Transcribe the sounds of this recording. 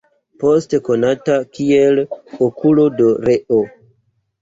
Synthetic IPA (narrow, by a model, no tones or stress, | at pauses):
po̞steko̞natakielokulo̞doɾeʔo